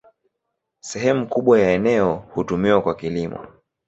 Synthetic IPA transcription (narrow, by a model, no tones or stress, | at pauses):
sɛɦɛmukuɓwajaɛnɛɔhutumiwakwakilimɔ̰